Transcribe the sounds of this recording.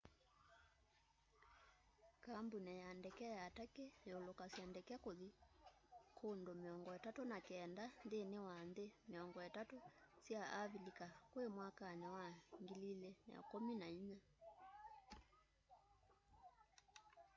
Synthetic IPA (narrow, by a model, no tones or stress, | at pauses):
kambunɛjandɛkɛajatakeolokasjandɛkɛakoði | kʰondomeɔŋɡɔɛtatonakɛːndanðenewanðemeɔŋɡɔɛtatosjaʔaβilikakwemwakanɛwaŋɡililɛna̰a̰kominaiɲa